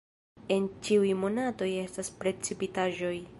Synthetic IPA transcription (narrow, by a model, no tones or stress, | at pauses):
e̞nt͡ʃiujmo̞nato̞je̞staspɾe̞t͡sipitaʒo̞j